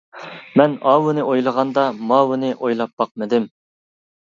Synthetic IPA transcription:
mɛnɑwunɨʔojlˠəʁɑnd̪ɑmɑwunɨʔojlˠɑp̚b̥ɑqmɨd̪ɪm

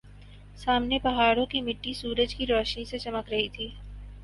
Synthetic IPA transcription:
saːmnepɐɦaːɾõkimɪʈːisuːɾəd͡ʒkiɾɔːʃnĩset͡ʃɐməkɾɐɦit̪ʰiː

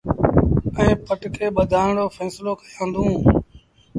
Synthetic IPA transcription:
ɛ̃ːpəʈkʰeːɓəd̪ʱaːɳɽoːfɛːsloːkəjãːnd̪ʱũː

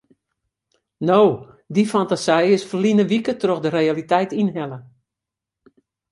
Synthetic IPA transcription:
noː | difantasɛjɪsfərlinəʋikətroxdəɾejalitɛjtinɦɛlə

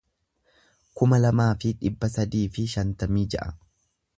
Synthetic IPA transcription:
kʊmɐlɐmaːfɪᶑɪbːɐsɐd̪iːfɪʃɐnt̪ɐmiːd͡ʒɐʔɐ

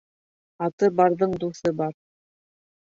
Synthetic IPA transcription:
ɑt̪ɤbɑɾðɤɴd̪uθɤbɑɾ

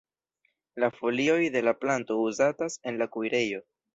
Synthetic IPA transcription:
lafo̞lio̞jde̞laplanto̞uzatase̞nlakujɾe̞jo̞

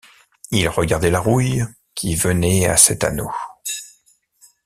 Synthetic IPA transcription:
ilʁəɡʲaʁd̪ɛlaʁuj | kʲʰivənɛa̰sɛt̪a̰no̰

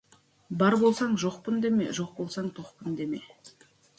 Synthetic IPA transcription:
bɑɾbo̞lˠsɑɴʒoqpənd̪e̞me̞̰ʒoq̚bo̞lˠsɑɴt̪ʰoqpənd̪e̞me̞

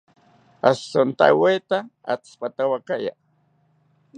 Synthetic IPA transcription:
asːont̪a̰wet̪aa̰t͡spat̪awakaja̰

